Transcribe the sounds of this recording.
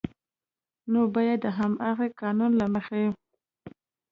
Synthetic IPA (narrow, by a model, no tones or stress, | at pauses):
nobɑjad̪ːəɦamaɣekɑnunlaməxaji